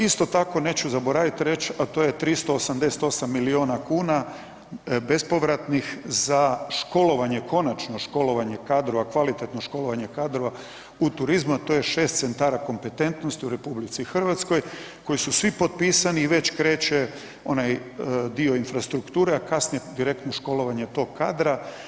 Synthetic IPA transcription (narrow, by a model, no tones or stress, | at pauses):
ist̪o̞t̪ako̞ne̞ːt͡ɕuzabo̞ɾaʋit̪ɾe̞t͡ɕat̪o̞je̞t̪ɾist̪oːsamd̪eset̪o̞samːilio̞ːnakuːna | be̞spo̞ʋɾat̪nixzaʃko̞lo̞ʋaɲe̞kʰo̞nat͡ʃno̞ʃko̞lo̞ʋaɲe̞kaːd̪ɾo̞ʋakʋalit̪e̞t̪no̞ʃko̞lo̞ʋaɲe̞kaːd̪ɾo̞ʋa | ut̪uɾizmuat̪o̞jeʃe̞ːst̪se̞nt̪aːɾako̞mpe̞t̪e̞nt̪no̞st̪iuɾe̞publit̪sixr̩ʋat̪sko̞j | ko̞jisusʋipo̞t̪̚piːsaniːʋe̞t͡ɕkɾe̞ːt͡ɕe | o̞najd̪io̞infɾast̪ɾukt̪uːɾeakasnijed̪iɾe̞kt̪noʃko̞lo̞ʋaɲe̞t̪o̞ɡ̚ka̰ːd̪ɾa